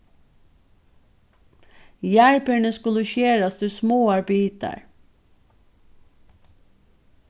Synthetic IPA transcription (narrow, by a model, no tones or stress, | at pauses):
jæɹpəɳəskʉləçeːɾɑsd̪ʉːsmoːɑɹbiːt̪ə̰ɹ